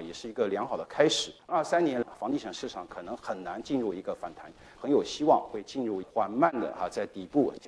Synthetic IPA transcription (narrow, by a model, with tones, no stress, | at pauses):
jɛ˨˩ʂɻ̩˥˩i˧˥ɡə˧ljɑ˧˥ŋxɑ˨˩ʊd̪ə˦kʰa˥ɪʂɻ̩˨˩˦ə˞˥˩sa˥nnjɛ˧˥nlfɑ˧˥ŋt̪i˥˩ʂɤ˨˧˩ŋʂɻ̩˥˩ʂɑ˥˩ŋkʰɤ˨˩nɤ˧˥ŋxə˨˩nna˧˥nt͡ɕi˥˧nɻu˥˩i˧˥ɡə˧fa˨˩nt̪ʰa˧˥n | xə˧˥njo˨˩ʊɕi˥wɑ˥˧ŋxwe˥˧ɪt͡ɕi˥˧nɻu˥˩i˧˥xwa˨˩nma˥˩nd̪ə̰˩a̰˧˩t͡sa˥˩ɪt̪i˨˩pu˥˩